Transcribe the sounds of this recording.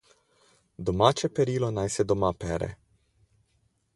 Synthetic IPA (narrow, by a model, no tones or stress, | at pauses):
d̪omat͡ʃepeɾilonajsed̪omapeɾḛ